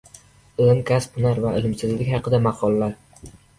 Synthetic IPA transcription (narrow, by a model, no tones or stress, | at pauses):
ɪlɪmkʲʰaspʰnaɾvaɪlɪmsɪzlɪkʲhɑqʰɨd̪amɑqʰɒlˠːaɾ